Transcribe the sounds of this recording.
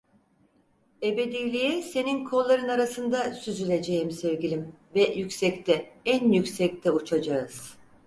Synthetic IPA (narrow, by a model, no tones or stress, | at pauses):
e̞be̞d̪ijlʲijɛse̞ninkʰo̞lˠːaɾɯnaɾasɯnd̪asyzylʲe̞d͡ʒe̞jimsevɟilʲimvɛjycʲsɛct̪ʰɛænjycʲsɛc̚t̪ʰɛut͡ʃʰad͡ʒaɯz̥